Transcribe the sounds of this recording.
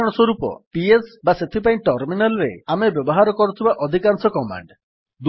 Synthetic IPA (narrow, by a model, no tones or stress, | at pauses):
ɔɽ̃ɔswɔɾupɔ̰piesbaset̪ʰipaĩʈɔɾminalɔɾḛamebjɔbɔɦaɾɔkɔɾut̪ʰibaʔɔd̪ʱikansɔkɔma̰ɳɖ | d̪